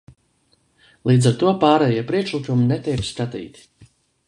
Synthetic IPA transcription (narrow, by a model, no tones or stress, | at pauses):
lˠiːd̪zaɾt̪uɔpaːɾɛjiɛpɾiɛkʃlˠikuminɛt̪ʲɛjpskat̪ḭːt̪ʲi̥